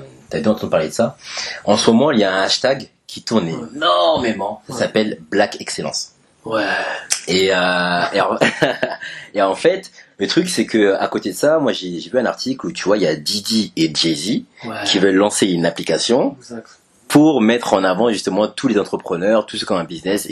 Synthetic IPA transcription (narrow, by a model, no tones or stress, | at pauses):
t̪ad̪ɑ̃t̪ɑ̃d̪əpaʁled̪əsaɑ̃səmɔmɑ̃iljaɛ̃aʃt̪aɡ | kʲʰit̪uʁnɛmem̃sasapɛlblakɛkselɑ̰̃s | wɛeøẽ | eɑ̃fɛt̪lət̪χyksɛkəa̰kot̪ed̪əsamwaʒeʒevyɛ̃naʁt̪iklut̪yvwailjad̪id̪ieʒezikʲʰivœlːɑ̃seynaplikasjɔ̃ | pʰuʁmɛt̪χɑ̃navɑ̃ʒyst̪əmɑ̃t̪ulezɑ̃t̪χəpχənœʁt̪usə̥kʲɔ̃ɛ̃biznɛs